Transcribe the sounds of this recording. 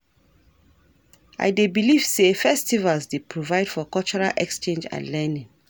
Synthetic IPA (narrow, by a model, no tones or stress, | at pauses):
a̰ɪdebiliv̥sefɛstivalsdepʰɹovaɪd̥fɔkɔlt͡ʃɔɹalʔɛkst͡ʃẽnd͡ʒa̰lɛnĩŋ